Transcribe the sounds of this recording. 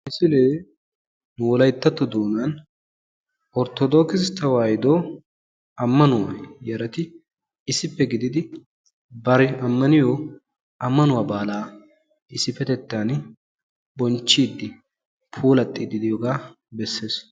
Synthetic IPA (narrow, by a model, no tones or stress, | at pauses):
ɪsɪleː | nʊwɔlɐjt̪ːɐt̪ːɔd̪oːnɐn | ɔɾt̪ɔd̪oːkɪst̪ɐwaːjɪd̪oː | ɐmːɐnʊwa̰jɛɾɐt̪ɪ | ɪsɪpːɛɡɪd̪ɪd̪ɪ | bɐɾɛʔɐmːɐnɪjoː | ɐmːɐnʊwaːbaːlaː | ɪsɪfɛt̪ɛt̪ːaːn | bɔnt͡ʃːiːd̪ːɪ | pʰuːlɐt̪ʼːiːd̪ɪd̪ɪjoɡaː | bɛsːeːs